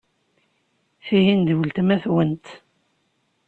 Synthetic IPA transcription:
θiɦind̪əwəlt̪mæθwənt̪

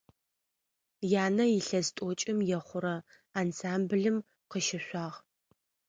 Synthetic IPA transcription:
jaːnɐjɪɬɐztʷʼot͡ʃʼɪmjɛχʷʊɾɐ | aːnsaːmbɨɮɨm | qəʃɪɕʷaːʁ

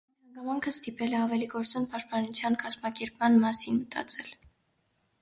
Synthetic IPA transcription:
inhɑŋɡɑmɑŋkʰəst̪ipɛlɛɑvɛliɡɔɾt͡sɔnpɑʃt̪̚pɑnut͡sʰjɑnkɑzmɑkɛɾpmɑnmɑsinmət̪ɑ̰t͡sʰɛl

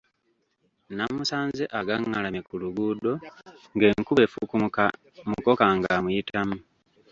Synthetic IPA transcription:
namusaːnzeʔaɡaŋːalamikuluɡuːdo̞ŋɡe̞ːŋkuβe̞fuku | muko̞kaŋɡamujitamu

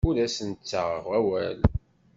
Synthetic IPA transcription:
ʊɾæsənt͡sːaʁʁæwæl

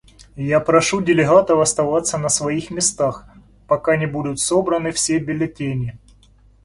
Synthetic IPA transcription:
japɾɐʂudʲɪlʲɪɦat̪əvɐst̪ɐvat̪sːənəsvɐixmʲɪst̪ax | pɐkanʲɪbud̪ʊt̪so̞bɾənɨfsʲebʲɪlʲɪtʲenʲɪ

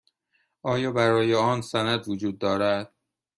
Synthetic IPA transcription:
ʔɒːjɒːbæɾɒːjeɒːnsænæd̪vod͡ʒuːd̪ːɒːɾæd̪̥̚

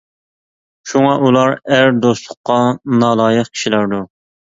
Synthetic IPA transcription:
ʃuŋɑʔulˠɑɾæɾd̪oslˠʊqːɑnɑːlˠɑːjəχkʲʰi̥ʃilæɾd̪u

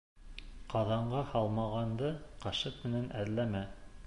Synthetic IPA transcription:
qɑðɑɴɢɑhɑlˠmɑʁɑnd̪ɤqɑʃɤt̪̚mɘ̆nænʔæðlæmæ

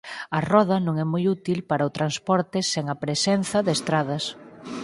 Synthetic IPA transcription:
ɐrɔð̞ɐnõŋɛmɔjut̪ilpaɾɐʊt̪ɾanspɔɾt̪ɪseŋɐpɾesɛn̟θɐðest̪ɾaðɐs

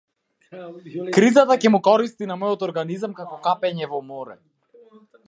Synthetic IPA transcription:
kɾizat̪acɛmukɔɾist̪inamɔjɔt̪ɔɾɡanizamkakɔkapɛɲɛvɔmɔɾɛ̰

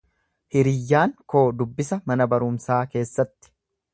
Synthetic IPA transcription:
hɪɾɪjːaːŋko̞ːd̪ʊbːɪsɐmɐnɐbɐɾʊmsaːke̞ːsːɐt̪ːɪ̥

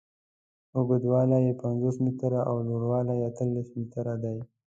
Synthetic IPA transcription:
ʊɡəd̪wɑlajepanzosmit̪əɾaʔawloɽwɑlajeat̪əlːesmit̪əɾad̪aj

